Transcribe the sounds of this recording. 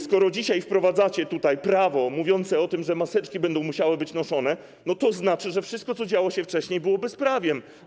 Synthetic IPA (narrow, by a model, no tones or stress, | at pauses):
skɔɾɔd͡ʑiɕajfpɾɔvad̪zat͡ɕɛt̪ut̪ajpɾavɔmuvʲjɔnt̪sɛɔt̪ɘmʐɛmasɛt͡ʂkʲibɛnd̪ɔ̃w̃muɕawɘbɘt͡ɕnɔʂɔnɛ | nɔt̪ɔznat͡ʂɘʐɛfʂɨst̪̚kɔt̪sɔd͡ʑawɔɕɛft͡ʂɛɕɲejbɘwɔbɘspɾavʲjɛm